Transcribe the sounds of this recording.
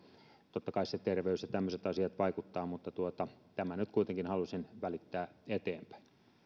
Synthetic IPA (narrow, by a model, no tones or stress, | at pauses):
t̪ot̪ːɑkɑiset̪erʋeysjɑt̪æmːøset̪ɑsiɑt̪ʋɑikut̪ːɑːmut̪ːɑt̪uot̪ɑt̪æmænyt̪kuit̪eŋkinhɑlusinʋælit̪ːæːet̪eːmpæ̥in